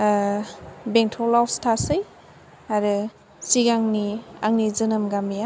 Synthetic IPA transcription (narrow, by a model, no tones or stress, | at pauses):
beŋtʰɔlawstʰasɯj | aɾɯ | siɡaŋniaŋnizɯnɯmɡamija